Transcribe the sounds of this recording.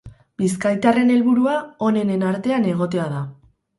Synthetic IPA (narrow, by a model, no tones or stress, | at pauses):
biskajt̪are̞ne̞lβuɾuao̞ne̞ne̞naɾt̪e̞ane̞ɣ̞o̞t̪e̞aða